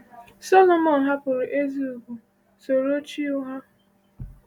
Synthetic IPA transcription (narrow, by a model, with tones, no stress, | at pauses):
sɔ˦lo˨mɔ˨n̩ɦa˦pʊ˨ɾʔe˦zi˦u˨ɡu˨ | so˨ɾo˦t͡ʃi˦ʊ˦ɦa˦